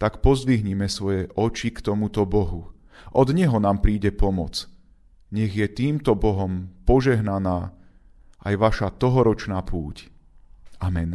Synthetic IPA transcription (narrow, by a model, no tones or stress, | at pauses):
t̪akpɔzd̪ʋiɦɲimɛsʋɔjɛʔɔt͡ʃikt̪ɔmut̪ɔbɔɦu | ʔɔd̪ɲɛɦɔnaːmpɾiːɟɛpɔmɔt͡s | ɲɛɣjɛt̪iːmt̪ɔbɔɦɔmpɔʒɛɦnanaː | ʔajʋaʃat̪ɔɦɔɾɔt͡ʃnaːpʰuːc | ʔamɛn